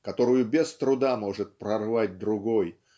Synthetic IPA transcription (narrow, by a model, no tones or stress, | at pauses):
kɐt̪o̞ɾʊjʊbʲɪst̪ɾʊd̪amo̞ʐɨt̪̚pɾɐrvat̚ʲd̪ɾʊɡo̞j